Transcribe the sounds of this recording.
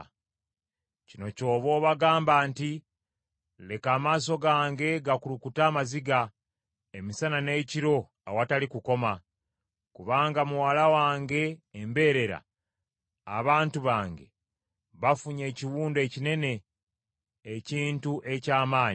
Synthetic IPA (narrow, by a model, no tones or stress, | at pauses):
cino̞co̞ːβo̞ːβaɡaːmbaːnti | le̞kaːmaːs̬o̞ɡaːŋɡe̞ɡakulukutaːmaziɡa | emisanane̞ːciɾo̞ | a̰watalikuko̞ma | kuβaːŋɡamuwalawaːŋɡe̞ːmbe̞ːɾe̞ɾa̰ː | βaːntuβaːŋɡe̞ | βafuɲe̞ːciwuːnde̞cine̞ne̞ | ciːntuʔe̞caːmaːɲ